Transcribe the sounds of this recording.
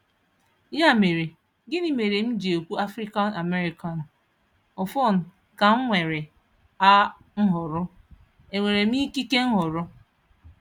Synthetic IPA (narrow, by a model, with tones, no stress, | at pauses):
ja˦˨me˨ɾe˨ | ɡɪ˦ni˦˨me˨ɾe˨m̩˦d͡ʒi˨o˨kʷu˦a˦fɾi˦ka˦na˨me˦ɾi˨ka˨n̩˨ | ɔ˨fɔ˦˨n̩˨ | ka˨ŋ̩˦ŋʷe˨ɾe˨ | a˦ | ŋ̩˦ɦʊ˨ɾʊ˦ | e˨ŋʷe˨ɾe˨m̩˦i˦ki˦ke˦ŋ̩˦ɦʊ˨ɾʊ˦